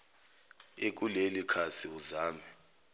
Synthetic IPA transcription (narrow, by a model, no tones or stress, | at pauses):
ek̬ulelikʰasiuzaːmɛ